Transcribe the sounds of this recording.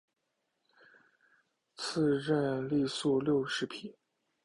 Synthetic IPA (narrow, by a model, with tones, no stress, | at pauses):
t͡s̩ʰ˥˧ɻə˥˧nli˥˧su˥˧ljo˥˩ʊʂɻ̩˧˥pʰi˨˩˦n